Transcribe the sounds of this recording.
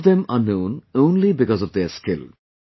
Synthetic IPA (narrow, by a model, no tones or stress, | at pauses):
vd̪ɛ̃mʌnːõʊ̃nõʊ̃nlibɪkɔzɔvd̪eskɪlˠ